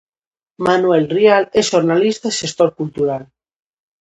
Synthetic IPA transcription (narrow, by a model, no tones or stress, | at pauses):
manuelrialesʃoɾnalist̪aiʃest̪oɾkult̪uɾal